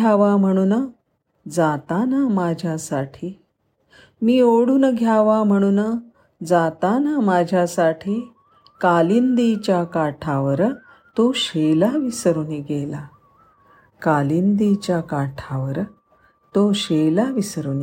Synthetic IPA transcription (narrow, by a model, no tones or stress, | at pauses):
aʋam̤əɽ̃uːnə | d͡zat̪anamad͡ʑʱjasaʈʰiː | miːoɽuːnəɡʱjaʋam̤əɽ̃uːnə | d͡zat̪anamad͡ʑʱjasaʈʰiː | kalind̪it͡ɕjakaʈʰaʋəɾ | t̪oɕelaʋisəɾuniɡela | kalind̪it͡ɕjakaʈʰaʋəɾ | t̪oɕelaʋisɾuni